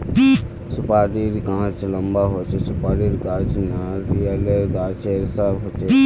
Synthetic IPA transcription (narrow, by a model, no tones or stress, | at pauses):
sʊpaːɾiɾkãːt͡ʃlɐmbaːɦot͡ʃʰesʊpaːɾiɾɡãːt͡ʃnaɾieleɾɡaːt͡ʃeɾsaːbɦot͡ʃʰe